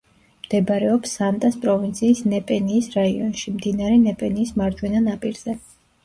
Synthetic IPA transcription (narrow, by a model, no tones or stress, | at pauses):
md̪̥ɛbɾɛɔpsːant̪ʼaspʼɾɔvint̪sʰiːsnɛpʼɛniːsɾaiɔ̰nʃimd̪inaɾɛnɛpʼɛniːsmaɾd͡ʒwɛnanapʼiɾz̥ɛ